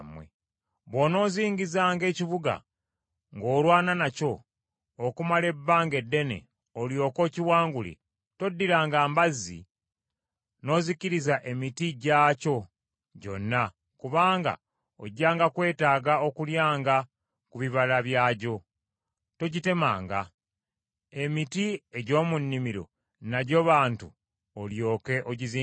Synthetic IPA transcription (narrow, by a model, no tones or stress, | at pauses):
mwḛ | βwo̞no̞ːziːɲɟizaːŋɡe̞ːciβuɡa̰ | ŋɡo̞ːlwaːnanaco̞ː | kumale̞bːaːŋɡe̞dːe̞ne̞̰ | oljo̞ːko̞ːciwaːŋɡulḭ | to̞dːiɾaːŋɡaːmbazːḭ | no̞ːziciɾizaʔe̞mitiɟaːco̞ | ɟo̞̰nːa | kuβaːŋɡa̰ | oɟːaːŋɡakwe̞ːtaːɡao̞kuljaːŋɡa | kuβiβalaβjaːɟo̞ | to̞ɟite̞ma̰ːŋɡa | e̞mitieɟo̞ːmunːimiɾo̞̰ | naɟo̞βaːntṵ | oljo̞ːke̞ʔoɟizi